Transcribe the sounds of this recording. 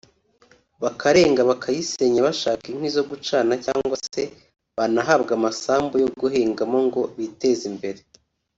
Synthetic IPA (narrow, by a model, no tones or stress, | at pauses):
βakaɾe̞ːŋɡaβakʰajise̞ɲaβaʃaːkin̥wizo̞ɡut͡ʃaːnacaːŋɡwase̞ | βanaɦabɡamasaːmbujo̞ɡuɦeːŋɡamo̞ŋɡo̞βite̞zimbe̞ɾe